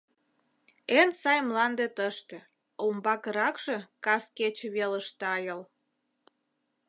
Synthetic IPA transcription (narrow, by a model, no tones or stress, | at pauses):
ensɑjmlɑnd̪et̪əʃt̪ĕ | ombɑkəɾɑkʒ̥e̽kɑsket͡ɕeβeləʃt̪ɑjəl